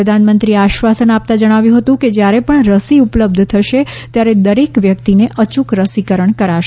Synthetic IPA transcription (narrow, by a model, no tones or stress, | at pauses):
əd̪ʱanmənt̪ɾieaʃʋasənap̚t̪ad͡ʒəɽ̃aʋjũɦət̪ũked͡ʒjaɾepəɳɾəsiupləb̚d̪ʱt̪ʰəʃe | t̪jaɾed̪əɾekʋjək̚t̪ineʔət͡ʃukɾəsikəɾəɳkəɾaʃ